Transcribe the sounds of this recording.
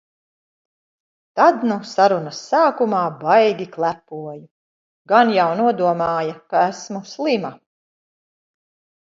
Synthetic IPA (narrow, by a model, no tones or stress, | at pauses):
t̪ad̪nusaɾunɐsːaːkumaːbajɡʲiklˠæpuɔju | ɡanjawnuɔd̪uɔmaːjɐkaæsmuslˠima